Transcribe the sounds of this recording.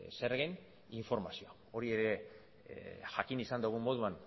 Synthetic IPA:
seɾɣen | iɱfo̞ɾmasioa | o̞ɾie̞ɾe̞ | ʝakinisand̪uɣ̞umbo̞ð̞uan

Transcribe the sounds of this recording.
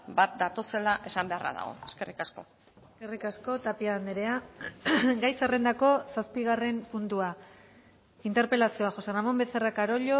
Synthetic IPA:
bat̪̚d̪at̪o̞se̞laʔe̞sambe̞ara̰ða̰ɣ̞o̞̰eske̞rikasko̞ | eske̞rikasko̞t̪apiaand̪eɾe̞a | ɡajsare̞nd̪ako̞saspiɣ̞are̞mpunt̪ua | int̪e̞ɾpe̞lasioaxo̞seramo̞mbe̞t͡serakaɾo̞ʎo̞

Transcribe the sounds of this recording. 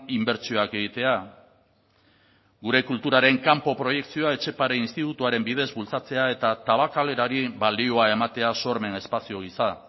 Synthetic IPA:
imbe̞ɾt͡sio̞ake̞ɣ̞it̪e̞a | ɣuɾe̞kult̪uɾaɾe̞ŋkampo̞pɾo̞je̞ksioae̞t͡ʃe̞paɾeinst̪it̪ut̪uaɾe̞mbið̞e̞zbult͡sat͡se̞ae̞t̪at̪aβ̞akale̞ɾaɾiβald̪io̞ae̞mat̪e̞aso̞ɾme̞ne̞spasio̞ɣ̞isa

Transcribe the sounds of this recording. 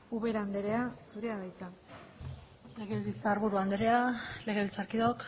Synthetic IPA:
uβe̞ɾaaːnd̪e̞ɾe̞asuɾe̞aðajt͡s̪a | le̞ɣeβilt͡saɾβuɾuand̪e̞ɾe̞ale̞ɣeβilt͡saɾkiðok

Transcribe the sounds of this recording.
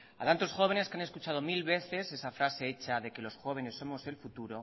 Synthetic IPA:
at̪ant̪o̞sxo̞β̞e̞ne̞skeaneskut͡ʃaðo̞milβe̞θe̞se̞safɾase̞e̞t͡ʃaðe̞ke̞lo̞sxo̞β̞e̞ne̞sːo̞mo̞se̞lfut̪uɾo̞

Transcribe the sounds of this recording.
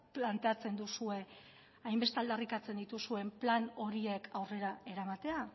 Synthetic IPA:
plant̪e̞at͡se̞nd̪usue̞ | ajmbe̞st̪ald̪arikat͡se̞nd̪it̪usue̞mplano̞ɾie̞kʰawre̞ɾae̞ɾamat̪e̞a

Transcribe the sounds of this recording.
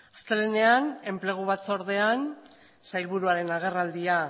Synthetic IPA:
ast̪elene̞ane̞mple̞ɣ̞uβ̞at̪t͡soɾðe̞an | sajlβuɾuaɾe̞naɣ̞e̞rald̪ia

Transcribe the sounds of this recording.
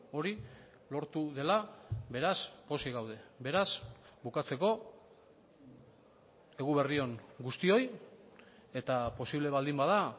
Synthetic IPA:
o̞ɾi | lo̞ɾt̪uðe̞laβe̞ɾaspo̞siɣawðe̞be̞ɾasbukat͡se̞ko̞ | e̞ɣuβe̞rio̞ŋɡust̪io̞j | e̞t̪apo̞siβle̞βald̪imbaða

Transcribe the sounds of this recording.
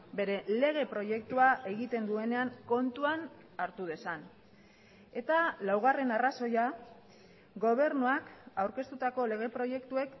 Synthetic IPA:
be̞ɾe̞le̞ɣ̞e̞pɾo̞je̞k̚t̪uaʔe̞ɣ̞it̪e̞nd̪ue̞ne̞aŋko̞nt̪uan | aɾt̪uð̞e̞san | e̞t̪alawɣ̞are̞naraso̞ja | ɡo̞β̞e̞ɾnuakawɾke̞st̪ut̪ako̞le̞ɣ̞e̞pɾo̞je̞kt̪ue̞k

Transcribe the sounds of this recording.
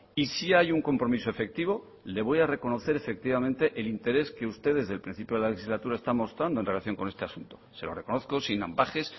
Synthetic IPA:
isiajuŋko̞mpɾo̞miso̞e̞fe̞k̚t̪iβ̞o̞ | le̞β̞o̞jare̞ko̞no̞θe̞ɾe̞fe̞k̚t̪iβamẽ̞nt̪e̞ʔelint̪e̞ɾe̞ske̞ust̪e̞ð̞e̞zðelpɾin̟θipjoelale̞xizlat̪uɾaest̪anmo̞st̪ɾand̪oe̞nre̞laθjoŋko̞nest̪easunt̪o̞̥se̞lo̞reko̞no̞θko̞sina̰mbaxe̞s

